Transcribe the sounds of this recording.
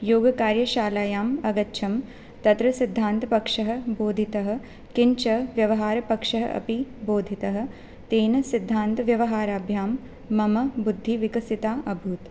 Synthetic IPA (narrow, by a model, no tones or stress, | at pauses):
joːɡɐkaːɾjɐʃaːlaːjaːmɐɡɐtːʃʰɐm | t̪ɐt̪ɾɐsid̪ʱːaːnt̪ɐpɐkʂɐɦɐ̆boːd̪ʱit̪ɐɦɐ̆ | kiɲt͡ʃɐʋjɐʋɐɦaːɾɐpɐkʂɐɦɐ̰ʔɐ̰piboːd̪ʱit̪ɐɦɐ̆ | t̪eːnɐsid̪ʱːaːnt̪ɐʋjɐʋɐɦaːɾaːbʱjaːmː | ɐmɐbud̪ʱːiʋikɐsit̪aːʔɐbʱuːt̪